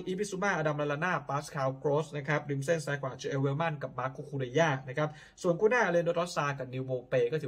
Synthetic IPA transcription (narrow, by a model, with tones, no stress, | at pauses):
ʔiː˧pʰiː˧˥su˧˥maː˥˩ʔaː˧da˧mla˧˥la˧˥naː˥˩paː˦˥skʰaː˧wkɾoː˦˥sna˦˥kʰa˦˥p̚ɾi˧˦mse˥˩nsaː˦˥kʰwaː˨˩˨t͡ɕʰi˧ʔe˧weː˧˥ma˥˩nka˨˩p̚maː˦˥kʰːu˧˥kʰuː˧ɾa˧jaː˥˩na˦˥kʰa˦˥p̚ | su˨˩ənkʰu˥˨naː˥˩ʔa˧li˧ndoː˦˥t̪̚ɾɔ˦˥saː˧ka˨˩p̚ni˧wmoː˧peː˧kɔː˥˩t̪ʰɯ˨˦